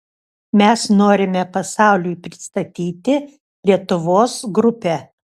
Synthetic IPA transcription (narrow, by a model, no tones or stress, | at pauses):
mʲɛsnoːɾʲɪmʲɛpɐsɑˑʊlʲʊjpʲɾʲɪst̪ɐt̪ʲiːt̪ʲɪ | lʲiɛt̪ʊʋoːsɡɾʊpʲɛ